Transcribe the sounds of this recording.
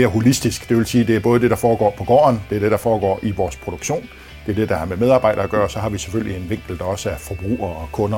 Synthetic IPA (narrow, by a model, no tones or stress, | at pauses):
eːɐɦo̝lisd̥isɡ̥d̥e̝ʋe̝lsiːd̥e̝æɐb̥ɔːðˠd̥e̝ɾ̥ɑ̈fɒːɡ̥ɒ̰ːpʰɒ̽ɡ̥ɒ̰ːɐnd̥e̝ɐd̥e̝ɾ̥ɑ̈fɒːɡ̥ɒ̰ːʔiʋɒːspʰʁo̝d̥oɡ̥ɕo̝̰ːn | d̥e̝ɐd̥e̝d̥ɑ̈hæɐmemeð̞ˠɑ̈ːbɑ̈ɪ̰ɾ̥ɐæɡ̥ɶːɐsɒ̽hɑ̈ʋise̥føl̰lie̝nʋe̝ŋ̰ɡ̥l̩d̥ɑɒ̽səæfɒb̥ʁṵːɐɒkʰɔ̽nɐ